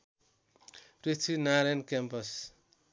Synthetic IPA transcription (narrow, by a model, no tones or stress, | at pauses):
prit͡sʰinaɾenkampʌs